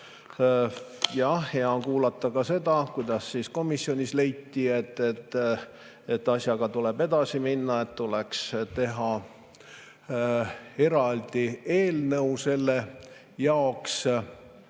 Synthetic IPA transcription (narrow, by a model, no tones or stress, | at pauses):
jɑhheɑkuːlɑt̪ːˑɑkɑse̞d̪̥ɑkujd̪̥ɑsːiːsko̞misːjo̞nʲisle̞jt̪ːie̞t̪ːˑet̪ːˑ | et̪ːˑɑsʲjɑɡ̥ɑt̪ule̞b̥e̞d̪̥ɑsiminːɑe̞t̪t̪ːulekst̪e̞ɦɑ | e̞ɾɑld̪̥ie̞ːlnəwse̞lːe | jɑoks